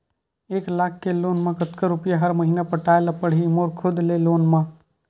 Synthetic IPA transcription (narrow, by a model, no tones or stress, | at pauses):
eːklaːkʰkeloːnmãkət̪kaɾʊpjaɦəɾməɦiːnapəʈaːelapəɽ̤ɦimoːɾkʰʊd̪leloːnmã